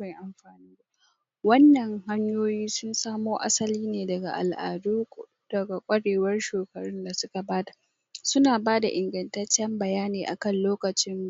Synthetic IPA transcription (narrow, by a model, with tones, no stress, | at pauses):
ba˨jʔa˨mɸaː˨niː˦ba˦ | wɐ˦nːɐ˨ŋha˦ɲjoː˦jiː˦sʊ˦nsaː˦moː˦ʔa̰˦sɐ˦liː˦neː˨dɐ˨ɡa̰˨ʔa̰˨lʔa̰ː˨duː˦ | d̥ɐ˨ɡa˨kʷʼɐ˦ɽeː˨wɐ˦rʃoː˨kɐ˨ɽʊ˦nda˨sʊ˦ka˨baː˦tḁ˨ | sʊ˦naː˨baː˦da˨ʔɪ˨ŋɡɐ˨ntɐ˦t͡ʃːɛ˦mbɐ˨jaː˦neː˨ʔa̰˨kɐ˦nloː˦kɐ˨t͡ʃɪ˦m